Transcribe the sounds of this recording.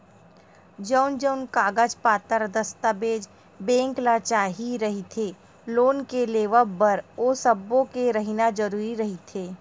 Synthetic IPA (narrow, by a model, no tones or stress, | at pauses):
d͡ʒəːnd͡ʒəʊnkaːɡəd͡ʒpaːt̪əɾd̪əst̪abeːd͡ʒ | bẽːŋklat͡ʃaːɦiɾɐɦit̪ʰeː | loːnkeleːʋəbəɾoːsəbõkeɾəɦinad͡ʒəɾuːɾiɾɐɦit̪ʰeː